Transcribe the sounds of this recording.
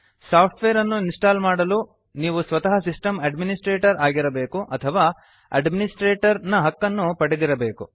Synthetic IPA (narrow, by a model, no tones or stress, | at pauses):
saːpʰʈʰʋeːɾɐnːuinsʈaːlmaːɽɐluː | niːʋusʋɐt̪ɐɦɐsisʈɐmɐɖminisʈɾeːʈɐɾaːɡiɾɐbe̞ːkuʔɐt̪ʰɐʋaː | ɐ̰ɖminisʈɾeːʈɐɾnɐɦɐkːɐnːupɐɽid̪iɾɐbe̞ːku